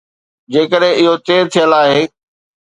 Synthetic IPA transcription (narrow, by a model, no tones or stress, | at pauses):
d͡ʑeːkəɗɦẽʔɪɦot̪eːɾt̪ʰijəlaːɦeː